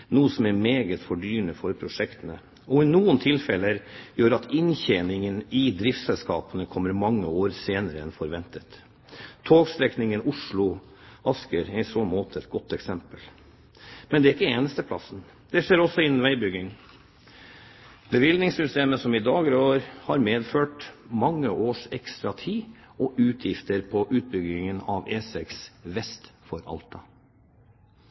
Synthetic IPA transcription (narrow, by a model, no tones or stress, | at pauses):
nuːəsɔmɛɾmeːɡət̪fɔɖyːɾəɳəfɔɾpʰɾʊʂɛkt̪ənə | ɔɪnuːənt̪ʰɪlfɛləjøːɾɑt̪ɪnçɛnɪŋənɪd̪ɾɪft̪sɛlskɑːpənəkʰɔmːəɾmɑŋːəoːɾseːnəɾəɛnfɔɾʋɛnt̪ət̪ | t̪ʰoːɡst̪ɾɛknɪŋənʊʂɭʊ | ɑskəɾɛɪsoːnmoːt̪ʰəɛt̪ɡɔt̪ːɛksɛmpəl | mɛnd̪ɛæɾɪkːəeːnəst̪əpʰlɑ̰sn̩ | d̪̥ɛʂeːɾɔsɔɪnːnʋæɪbʏɡɪŋ | bəʋɪlnɪŋsʏst̪eːməsɔmɪd̪ɑːɡəɾoːɾhɑɾmeːd̪føːʈmɑŋːəʔoːʂɛkst̪ɾɑt̪ʰiː | ɔʔʉːt̪ʰjɪft̪əɾpʰɔʔʉːt̪̚bʏɡɪŋənɑ̰ʋeːsɛksʋɛst̪fɔɾɑ̰lt̪ʰɑ